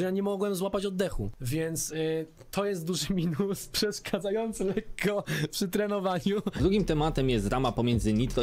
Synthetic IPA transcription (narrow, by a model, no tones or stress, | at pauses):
ɛjaɲɛmɔɡwɛmzwapat͡ɕɔd̪ːɛxuvʲjɛnt̪s | t̪ʰɔjɛst̪̚d̪uʐɘmʲinuspʂɛʂkʰad̪zajɔnt̪sɘlɛkʰːɔpʂɘt̪ɾɛnɔvaɲud̪ɾuɡʲimt̪ɛmat̪ɛmjɛst̪ɾamapɔmʲjɛnzɘɲit̪ɾɔ